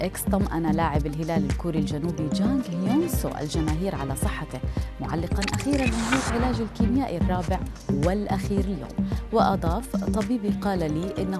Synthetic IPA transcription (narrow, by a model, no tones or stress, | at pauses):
ʔɪkst̪ʊmʔanalaːʕɪbɪlɦɪlaːlɪlkuːɾild͡ʒanuːbid͡ʒaːŋɡhjonso̰ʔa̰ld͡ʒamaːɦiːɾʕa̰lasˤɨħːɑt̪ɪmʊʕa̰lːɪqɑnʔaxiːɾanmɪnɦuːʕɪlaːd͡ʒɪlkiːmjaːʔirˤːɑːbɪʕ | wɪlʔaxiːɾɪljo̰ːmwɪʔɑd̪ˤɑːft̪ˤːɑbiːbiqɑːlaliːʔɪnːa